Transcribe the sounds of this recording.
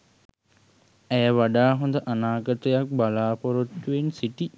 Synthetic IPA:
æjəʋaɖaːɦond̪əʔanaːɡət̪əjak̚balaːpoɾot̪ːuensiʈi

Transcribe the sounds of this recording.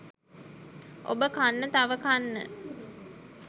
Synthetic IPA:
ʔo̰bəkanːət̪aʋəkanːə̰

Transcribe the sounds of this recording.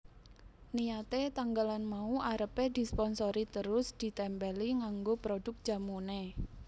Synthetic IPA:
nijat̪et̪aŋɡalanmauʔaɾəped̪̥i̤spɔnsoɾit̪əɾʊsd̪̥i̤t̪ɛmbɛliŋaŋɡopɾod̥ʊ̤k̚d̥ʒ̥a̤mune

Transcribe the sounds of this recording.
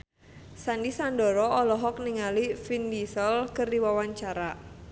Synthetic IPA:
sandisandɔɾɔɔlɔɦɔk̚niŋalifindisəlkərdiwawaɲt͡ʃaɾa

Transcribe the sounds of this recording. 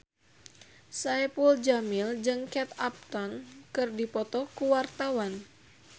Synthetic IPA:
saɛpuld͡ʒamild͡ʒɨŋkɛt̪ap̚t̪ɔnkɨrdipɔt̪ɔkuwart̪awan

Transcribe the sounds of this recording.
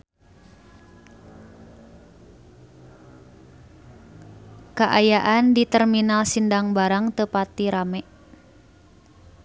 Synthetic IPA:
kaʔajaʔandit̪ɛrminalsindaŋbaɾaŋt̪əpat̪iɾamɛ

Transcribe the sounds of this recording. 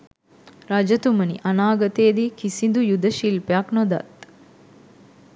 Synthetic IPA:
ɾad͡ʒɐt̪umənḭʔanaːɡɐt̪eːd̪ikisind̪ujud̪əʃilpeaknod̪a̰t̪

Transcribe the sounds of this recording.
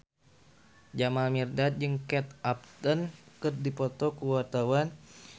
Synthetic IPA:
d͡ʒamalmirdat̪̚d͡ʒɨŋkɛt̪ap̚t̪ənkɨrdipɔt̪ɔkuwat̪awan

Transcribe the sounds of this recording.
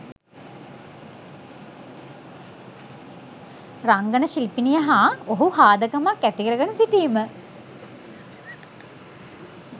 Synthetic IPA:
raŋɡənəʃilpinijəɦaːoɦuhaːd̪əkəmakːæt̪ikəɾəɡənəsiʈiːmə

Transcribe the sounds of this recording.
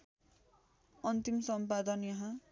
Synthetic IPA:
ʌnt̪imsʌmpad̪ʌnjʌɦã

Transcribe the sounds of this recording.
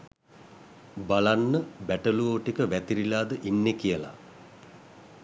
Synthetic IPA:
balanːəbæʈəluoːʈikəʋæt̪iɾilaːd̪əʔinːekijəla̰

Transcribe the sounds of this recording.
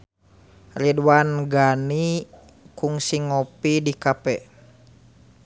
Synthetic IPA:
ridwanɡani | kuŋsiŋɔpidikapɛ

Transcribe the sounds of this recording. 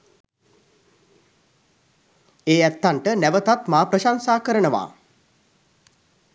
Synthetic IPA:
eːæt̪ːaɳʈənæʋət̪at̪maːpɾəʃansaːkəɾənəʋa̰ː

